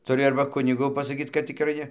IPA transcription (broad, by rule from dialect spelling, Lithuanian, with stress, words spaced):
tʊˈrʲɪ ˈɐrbɐ ˈkʊnʲɪɡʊ pɐsɐˈkʲiːt kɐt tʲɪkˈrɐɪ ˈnʲɛ